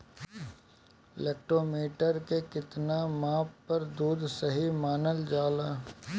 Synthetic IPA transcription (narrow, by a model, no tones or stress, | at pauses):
ɪleːk̚ʈɾoːmiːʈəɾkekɪt̪namaːppːɐɾd̪uːd̪sɐɦimaːnəld͡ʒaːlaː